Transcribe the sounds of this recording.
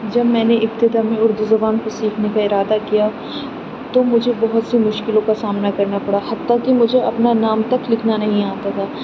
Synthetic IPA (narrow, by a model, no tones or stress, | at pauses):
d͡ʒɐbmɛ̃ːneɪpt̪ɪd̪amẽʊɾd̪uzɐbaːnkosiːkʰnekaɪɾaːd̪akija | t̪omʊd͡ʒʱebɐɦʊt̪simʊʃkɪlõkasaːmnakɐɾnapɐɽahɐt̪ːakimʊd͡ʒʱeʔɐpnanaːmt̪ɐklɪkʰnanɐɦĩaːt̪at̪ʰaː